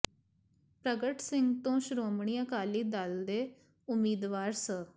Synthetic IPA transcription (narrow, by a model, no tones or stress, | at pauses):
pɾəɡəʈsɪŋɡt̪õːʃʊɾoːmɳ̃iːəkaːliːd̪əld̪eː | ʊmiːd̪ʋaːɾsə